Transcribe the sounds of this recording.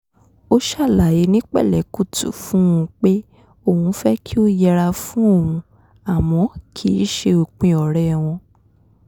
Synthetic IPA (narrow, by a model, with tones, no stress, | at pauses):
o˦ʃa˦˨la˨ji˨˧˦nĩ˦k͡pɛ̰˦˨lɛ˨˦ku˦˨tṵ˨fũ˦ũ˧k͡pe˦ | o˦˧˨hũ˧˦fɛ˦kʰi˦o˦jɛ˧ɾa˧fũ˦o˦˨ũ˧ | a˨mɔ̃˨˦kʰi˦˨˦ʃe˧o˨k͡pĩ˧ɔ˨ɾɛ˨w̃ɔ̃˧